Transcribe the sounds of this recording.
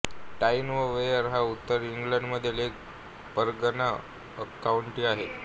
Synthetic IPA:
ʈainʋəʋejəɾɦaut̪ːəɾiŋɡləɳɖməd̪ʱːjelek | pəɾɡəna | əkauɳʈiːaɦet̪

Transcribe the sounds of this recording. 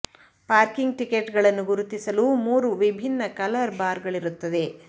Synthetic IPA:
paːɾkiŋɡ̚ʈikeʈɡɐɭɐnːuɡuɾut̪isɐlumuːɾuʋibʱinːɐkɐlɐɾbaːɾɡɐɭiɾut̪ːɐd̪e̞

